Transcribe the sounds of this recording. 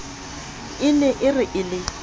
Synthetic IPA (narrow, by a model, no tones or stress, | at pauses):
ɪlɛʔɪrɪʔɪlɪ